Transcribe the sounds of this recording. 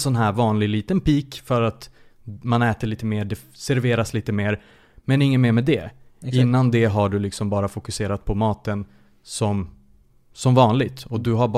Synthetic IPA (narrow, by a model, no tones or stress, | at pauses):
sɔnɦæːɾvɑːnlɪɡliːt̪ənpiːkfœɾat̪ | manɛːt̪əɭiːt̪əmeːɖɛsæɾveːɾasliːt̪əmeːɾ | mɛnɪŋːənmeːɾmɛːd̪ɛɪnːand̪ɛɦaɖɵlɪksɔmbɑːɾafʊkɵseːɾat̪̚pʰɔmɑːt̪ən | sɔm | sɔmvɑːnlɪɡt̪ɔd̪ɵɦab